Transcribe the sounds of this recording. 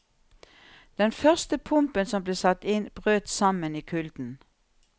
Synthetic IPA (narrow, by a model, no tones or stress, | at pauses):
d̪̥ɛnfœʁst̪əpʰʊmpənsɔmbleːsɑt̪ɪnb̥ʁøːt̪sɑməniːkʰʉld̪n̩